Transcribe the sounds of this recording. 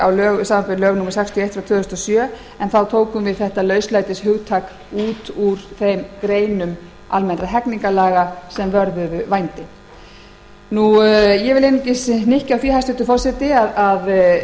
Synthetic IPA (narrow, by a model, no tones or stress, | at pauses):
awlœːɣʏsaːmapɪɾlœːɣnumɪsɛkst̪ʰjɔejt̪fɾawt̪ʰʏːðʏst̪ɔsjœː | ɛnθawt̪ʰoːwkʏmvɪðθɛht̪alœɥslajt̪ɪshʏɣt̪ʰaːk | uːt̪uɾ̥θejmkɾeːjnʏm | almɛnɾaɦɛkniŋkalaːɣasɛmvœɾðʏðʏvajnt̪ɪ | nujɛvɪlɪnɪcɪsnɪhcawθihajst̪ʏt̪ʏfɔrsɛt̪ɪaðað